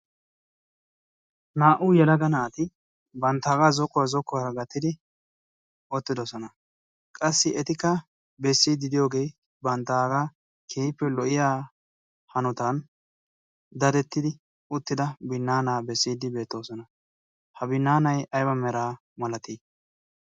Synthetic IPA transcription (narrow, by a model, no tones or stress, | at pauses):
naːʔʊjɛlɐɡɐnaːt̪ɪ | bɐnt̪ːaːɡazɔkːɔwazɔkːɔɐɾɐɡɐt̪ːɪd̪ɪ | ʔɔt̪ːɪd̪ɔsɔnɐ | kʼɐsːɪɛt̪ɪkːɐ | bɛsːiːd̪ɪd̪ɪjo̞ːɡe̞ːj | bɐnt̪ːaːɡa | kʰeːjpːɛlɔʔɪjaː | hɐnɔt̪ɐn | d̪ɐd̪ɛt̪ːɪd̪ɪ | ʊt̪ːɪd̪ɐbɪnːaːnaːbɛsːiːd̪ɪbe̞ːt̪ːo̞ːsɔnɐ | hɐbɪnːaːnɐjʔɐjbɐmɛɾaː | mɐlɐt̪iː